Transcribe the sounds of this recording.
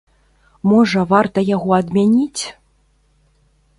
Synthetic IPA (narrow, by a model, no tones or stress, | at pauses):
mɔʐɐvart̪ɐjaɣɔɐd̪mʲanʲit͡sʲ